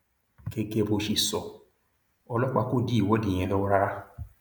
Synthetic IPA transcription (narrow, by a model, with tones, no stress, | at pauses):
ke˧ke˦˧bo˧ʃi˧˨sɔ˨ | ɔ˧lɔ˦k͡pa˧ko˦˨di˦i˦˨wɔ˨˦di˨j̃ɛ̃˧lɔ˦ɾa˦ɾa˦